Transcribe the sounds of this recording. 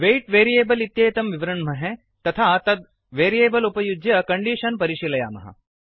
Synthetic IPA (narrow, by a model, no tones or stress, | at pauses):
ʋeːʈʋeːɾijeːbɐlit̪jɐjɐt̪ɐmʋiʋɐɾɐɳmɐɦẽ | t̪ɐt̪ʰaːt̪ɐd̪̚ | ʋeːɾijeːbɐlupɐjud͡ʒjɐkɐɳɖiʃɐnpɐɾiʃilɐja̰ːmɐ̰ɦɐ̰